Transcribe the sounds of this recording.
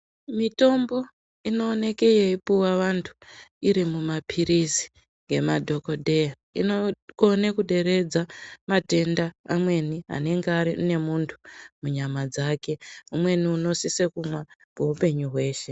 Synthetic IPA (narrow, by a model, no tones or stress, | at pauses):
mito̞mbo̞ | ino̞ːne̞kejeipuwaʋantʰu̥iɾimumapʰiɾizi̥ | ŋɡe̞madʱo̞ko̞ɗʱe̞ja | ḭnoonekuɗe̞ɾe̞d͡zamate̞ndaamwe̞niɦa̰ne̞ŋɡeaɾiṵne̞muntʰu̥muɲamad͡zaːke̞umwe̞niuno̞sisekumwa | koupe̞ɲuɦwe̞ːʃe̞